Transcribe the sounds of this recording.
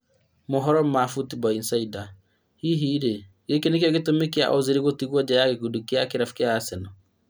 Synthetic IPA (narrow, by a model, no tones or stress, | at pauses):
moɦɔɾɔm̩mafutibɔinsaida | hiɦiɾe | ɡekenekjɔɣetomekia̰ʔoziɾiɣotiɣwɔd͡ʒajaɣekudukeakeɾafu̥keaːsɛnɔ